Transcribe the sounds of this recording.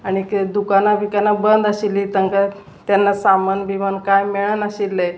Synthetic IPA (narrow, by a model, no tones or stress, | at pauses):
aɽ̃ikd̪ukanabikanabənd̪əɕilːit̪əŋka | t̪janːasamanbimankajmeɭənəɕilːəj